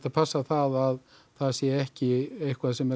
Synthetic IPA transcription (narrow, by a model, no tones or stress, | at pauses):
t̪apʰasːaθaðað | θaðsjɛɛhcɪejhkʰvaðsɛmɛ